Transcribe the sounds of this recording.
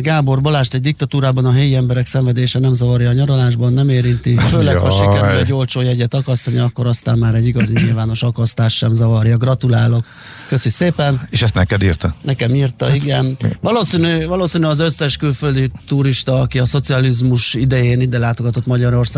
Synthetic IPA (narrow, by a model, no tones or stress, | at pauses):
ɡaːbo̞rbolaːʃt̪ɛɟ̚d̪ik̚t̪ɒt̪uːɾaːbɒnɒɦɛjiɛmbɛɾɛksɛɱvɛd̪eːʃɛnɛmzɒvɒɾjɒːɲɒɾolaːʒbɒnːɛmeːɾint̪iføːlɛkhɒʃikɛylɛɟo̞lt͡ʃoːjɛɟɛt̪ɒkɒst̪ɒniɒkːoɾɒst̪aːmmaːɾɛɟːiɡɒziɲilvaːno̞ʃɒkɒst̪aːʃʃɛmzɒvɒrjɒɡrɒt̪ulaːlo̞kː | øsycseːpɛneːʃɛst̪nɛkɛd̪irt̪ɒnɛkɛmiːrt̪ɒiɡɛnvɒloːsinyvɒloːsinyɒzøsːɛʃkylføld̪it̪uɾiʃt̪ɒːkiɒso̞t̪siɒlizmuʃid̪ɛjeːnid̪ɛlaːt̪oɡɒt̪o̞t̪mɒɟɒɾo̞rsaː